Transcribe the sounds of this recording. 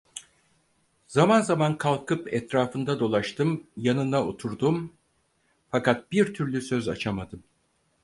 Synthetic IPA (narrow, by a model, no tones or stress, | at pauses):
zamanzamankʰalˠkʰɯpɛt̪ɾaːfɯnd̪ad̪o̞lˠaʃt̪ʰɯmjanɯnao̞t̪ʰuɾd̪um | fakat̪̚biɾt̪ʰyɾlʲysø̞za̰t͡ʃʰamad̪ɯm